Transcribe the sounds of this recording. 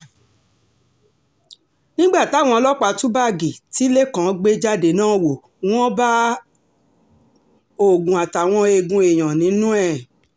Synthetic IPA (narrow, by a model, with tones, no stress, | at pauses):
nĩ˦ɡ͡ba˦˨tw̃ɔ̃˧lɔ˦k͡pa˧tũ˦ba˦˨ɡi˨ti˨˦le˦kã˨˧ɡ͡be˦d͡ʒa˦de˨nãː˦˨wo˨ | w̃ɔ̃˦ba˦ | o˨ɡũ˨a˨ta˨w̃ɔ̃˧e˧ɡũ˧˦e˨j̃ã˨nĩ˨˦nũ˦ɛ˦˨